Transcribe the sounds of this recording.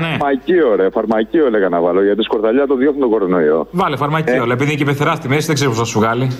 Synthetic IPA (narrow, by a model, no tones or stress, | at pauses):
nemɐcioɾeɐfɐɾmɐcioleɣɐnɐvɐloʝɐt̪iskoɾðɐʎɐt̪oðjoxunt̪oɡoɾonoio̰vɐlifɐɾmɐcioɾeɐepiðincepeθeɾɐst̪imesiðeɡzeɾip̬osθɐsuɣɐli